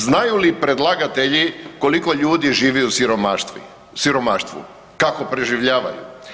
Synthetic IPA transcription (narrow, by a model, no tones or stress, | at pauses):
znajulipɾe̞d̪lˠaːɡat̪e̞ʎiko̞liko̞ʎuːd̪iʒiːʋɛusiɾomaʃt̪ʋḭ | siɾo̞maːʃt̪ʋṵ | kako̞pɾeʒiʋʎaːʋa̰jṵ